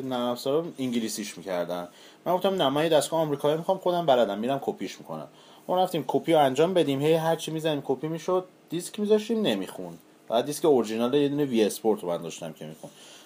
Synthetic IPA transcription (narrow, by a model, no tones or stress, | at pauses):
nææfsɒɾɔiŋɟilisiʃmicʰæɾd̪æn | mænɡo̞ft̪æmnæmænjed̪æst̪ɡɔhːmɾiːkʰɒjimixɒmxod̪æmbæɾæd̪æmːiɾæmkʰopʰiʃmikʰo̰næ̰m | mɔɾæft̪iːmkʰopʰijoænd͡ʒɒːmbe̞d̪imhe̞jɦæɾt͡ʃʰimizæniːmkʰopʰimiʃod̪̥̚ːiskmizɒʃt̪iːmne̞mixun | bæbæd̪d̪iskeoɾiʒinɒlejed̪uːneviespoɾt̪ʰoænd̪ɒʃt̪æ̰mcʰe̞̰mḭxṵn